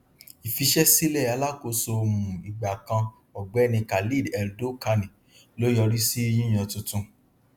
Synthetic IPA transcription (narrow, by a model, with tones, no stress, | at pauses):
i˨fi˧ʃɛ˦si˦lɛ˦˨a˧la˦ko˨˦so˧mũ˨i˨ɡ͡ba˨kã˧ | ɔ˨ɡ͡bɛ˨˦˨nĩ˧ka˨li˦˨dɛ˨ɾdo˦ka˧nĩ˨ | lo˦jɔ˧ɾi˦si˦˧j̃ĩ˦j̃ã˧tũ˧tũ˧